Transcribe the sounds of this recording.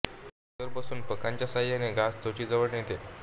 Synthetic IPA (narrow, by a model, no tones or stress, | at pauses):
t̪əɾpəsuːnpəkãɲt͡ɕjasaijaneɡast͡sot͡ɕiːd͡zəʋəɽnet̪e